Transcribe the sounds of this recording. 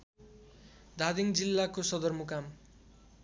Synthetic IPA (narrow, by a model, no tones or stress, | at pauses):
d̪ʱad̪iŋd͡zilːakosʌd̪ʌrmukam